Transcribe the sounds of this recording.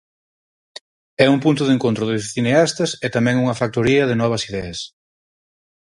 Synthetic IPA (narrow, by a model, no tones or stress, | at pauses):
ɛuŋpunt̪ʊðeŋkont̪ɾʊðesθineast̪ɐsɛt̪amɛ̃ŋuŋɐfak̚t̪oɾiɐðɪnɔβ̞ɐsiðɛɐs